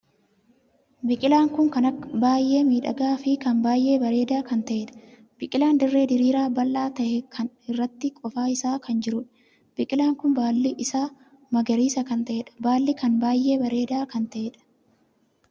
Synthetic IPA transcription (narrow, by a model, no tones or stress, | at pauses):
bɪkʼɪlaːŋkʊŋkɐnɐbaːjʔe̞ːmiːᶑɐ̰ɡaːfɪkɐnbaːjʔe̞ːbɐɾe̞ːd̪aːkɐnt̪ɐʔeːᶑɐ̥ | b̥ɪkʼɪlaːnd̪ɪrːe̞ːd̪ɪɾiːɾaːbɐlːaːt̪ɐʔɛkʰɐn | ɪrːɐt̪ːɪkʼɔfaːɪsaːkʰɐnd͡ʒɪɾʊᶑɐ̥ | b̥ɪkʼɪlaːŋkʊnbaːlːɪʔɪsaː | mɐɡɐɾiːsɐkɐnt̪ɐʔeːᶑɐ̥baːlːɪkɐnbaːjʔːe̞ːbɐɾe̞ːd̪aːkɐnt̪ɐʔeːᶑɐ̥